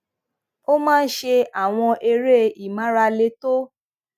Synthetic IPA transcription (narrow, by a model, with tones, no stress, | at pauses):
o˦mãː˦˧n̩˦ʃe˧a˨w̃ɔ̃˧ʔe˧ɾe˦i˨mã˨˦ɾa˧le˧to˦